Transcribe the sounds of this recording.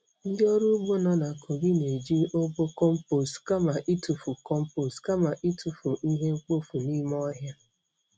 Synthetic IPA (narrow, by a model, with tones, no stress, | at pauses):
n̩˦djɔ˦ɾu˦bo˦nɔ˨na˨ko˨ɡɪ˦ne˨d͡ʒi˦ʔo˦bo˦kɔ˦m̩˦po˨ska˦ma˨ʔi˦tu˨fu˨kɔ˦m̩˦po˨stka˦ma˨ʔi˦tu˨fu˨ʔi˦ɦe˦ŋ͡m̩˦k͡po˦fu˨ni˦m˦ɔ˦ɦja˦